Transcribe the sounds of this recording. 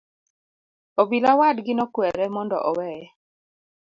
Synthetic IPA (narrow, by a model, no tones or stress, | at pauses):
obilawadɡɪnɔkwɛɾɛmɔndɔ̰ʔɔwɛɛ